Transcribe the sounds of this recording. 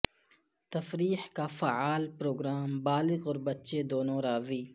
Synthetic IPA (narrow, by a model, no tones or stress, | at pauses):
t̪ɐfɾiːħkafaaːlpɾoːɡɾaːmbaːlɪɣɔːɾbɐtːʃed̪oːnõːɾaːziː